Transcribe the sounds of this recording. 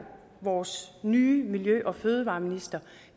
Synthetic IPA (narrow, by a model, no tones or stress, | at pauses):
ʋɒːsnyːmiljøʔɒ̽føːð̞ˠəʋɑ̈ːminisd̥ɐ